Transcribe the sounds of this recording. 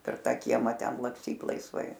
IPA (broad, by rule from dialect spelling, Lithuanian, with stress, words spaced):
pʲɛr ˈtɑː ˈkʲiɛmɑː ˈtʲɛn lˠɐksʲˈtʲiːt lˠɐɪsˈʋɐɪ